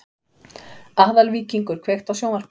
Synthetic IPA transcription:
ahðalviːciŋkʏɾ̥kʰvext̪awsjoːwnaɾ̥p

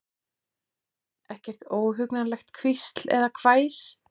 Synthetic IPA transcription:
ɛhcɛr̥t̪oːwɦʏknalɛxt̪kʰvist̪l̥ɛ̰ðakʰvaːjs

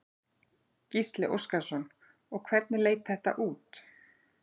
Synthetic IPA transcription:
cist̪lɪʔo̰wskasɔn | ɔɣkʰvɛɾt̪̚nɪleːjt̪θɛht̪a̰ʔuːt̪

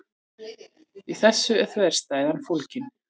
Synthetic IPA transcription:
iθɛsːʏɛθvɛjɾ̥st̪aːjðanfowlcɪn

